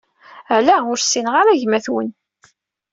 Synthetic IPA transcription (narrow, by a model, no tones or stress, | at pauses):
ælæʊɾsːinʁaɾæʝmæθwə̰n